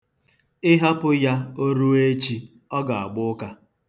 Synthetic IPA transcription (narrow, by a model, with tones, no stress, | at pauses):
ɪ˦ɦa˦pʊ˦ja˦o˦ɾu˦e˦t͡ʃi˦ | ɔ˦ɡa˨a̰˨ɡ͡bʊ˦ka˦